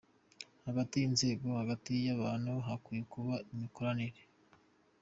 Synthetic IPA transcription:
haɡatijinze̞ːɡo̞haɡatijaβaːnhuɦakuːjekuβaimiko̞ɾaniɾe

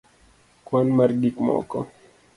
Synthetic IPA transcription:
kwanmarɡikmɔ̰kɔ

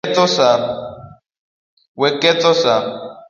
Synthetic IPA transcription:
t͡sɔsa | wɛkɛt͡sɔsa

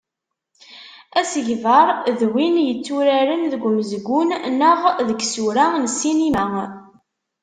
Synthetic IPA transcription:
æsəʝvɑɾˤðwinjət͡sːuɾæɾənðəɡʷməzɡʷunnəʁðəɡsuɾansinimæ

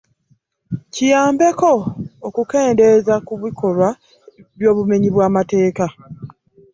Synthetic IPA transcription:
cijaːmbe̞ko̞ːkuke̞ːnde̞zakuβikʰo̞lwa | βjo̞ːβume̞ɲiβwaːmate̞ːka

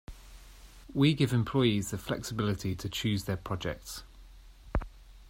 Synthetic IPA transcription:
wiɡɪvɪ̃mpʰl̥ɔɪizðəflɛ̰ksɪbɪlɪtʰitʰət͡ʃʰʉːzðəpʰɹ̥ɒd͡ʒɛ̰k̚ts

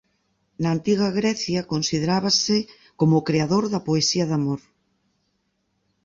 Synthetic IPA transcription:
nɐːnt̪iɣɐɣɾɛθjɐkonsiðeɾaβɐsɪ | komokɾeaðoɾðɐpoesiɐðamoɾ

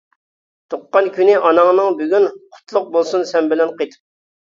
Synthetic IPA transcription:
t̪ʰoqːɑnkʲynɪʔɑnɑŋnɨŋbyɡʲynqʰʊ̥t̪ʰlˠʊq̚bolˠsunsɛnbɪlɛnqʰet̪ʰp̚

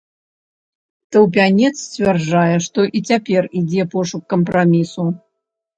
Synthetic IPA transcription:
t̪ɐwp̬ʲanʲɛt̪st͡sʲvʲarʐajɛʂt̪ɔʔit͡sʲapʲɛrid͡zʲɛpɔʂukːɐmpɾamʲisu

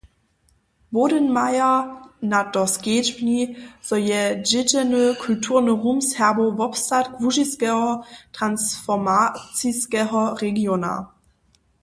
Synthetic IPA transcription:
boːdənmajɐnad̥ɔsɡ̥eːd͡ʒbniz̥ɔjɛd͡ʒɪtɛnøkʰultʰuːɐnəʁuːmshɛɐbovɔpstatkv̥uʒiskɛɔtʁ̥ansfɔmat͡siskɛɦɔʁeɡjoːna̰

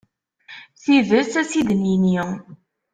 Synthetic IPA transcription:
θivəsæsid̪nini

